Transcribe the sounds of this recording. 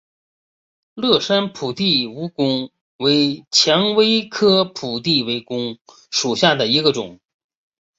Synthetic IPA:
lɤ˥˩ʂa˥npʰu˨˩t̪i˥˩u˧˥kʊ˥ŋ | we˧˥ɪt͡ɕʰjɑ˧˥ŋwe˥ɪkʰɤ˥pʰu˨˩t̪̬i˥˩we˧˥ɪkʊ˥ŋ | ʂu˨˩ɕja˥˩d̪ə˩i˧˥ɡə˧ʈ͡ʂʊ̰˨˩˦ŋ

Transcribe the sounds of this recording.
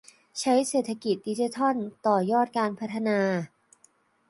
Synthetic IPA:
t͡ɕʰa˦˥jseː˨˩t̪ʰːa˧ki˨˩t̪̚diː˧t͡ɕi˧˥t̪ʰɔ˥˩nt̪ɔː˨˩jɔː˥˩t̪̚kaː˧npʰa˦˥t̪ʰa˧naː˧

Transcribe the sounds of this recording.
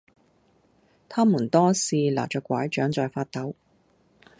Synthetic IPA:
t̪ʰaː˥muː˨˩nt̪ɔː˥siː˨˧la̰ː˨˩t͡ʃœː˨˧kʷwaː˨˥jt͡ʃœː˨˥ŋt͡sɔː˨jfaː˧t̚t̪ɐ˨˥w

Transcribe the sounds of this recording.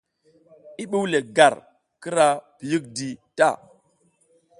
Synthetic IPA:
i˦ɓu˦wle˨ɡa˨ɾ | kə˦ɾa˦pi˨ji˦k̚di˨ta̰˦˨

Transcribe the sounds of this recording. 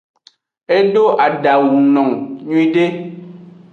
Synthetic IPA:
e˦ɖo˦ʔa˨da˨wu˨ŋnɔ˨ŋɲu˦ĩ˦ɖe˦

